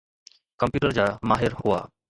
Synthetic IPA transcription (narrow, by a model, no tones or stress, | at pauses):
kəmpjuːʈəɾd͡ʑaːmaːɦɪɾhʊa̰ː